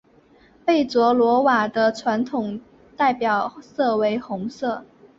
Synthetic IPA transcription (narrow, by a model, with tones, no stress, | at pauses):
pe˥˩ɪt͡swɔ˧˥lwɔ˧˥wa˨˩d̪ə˦ʈ͡ʂʰwa˧˥nt̪ʰʊ˨˩ŋ | t̪a˥˩ɪpjɑ˨˩ʊsɤ˥˩we˧˥ɪxʊ˧˥ŋsɤ˥˩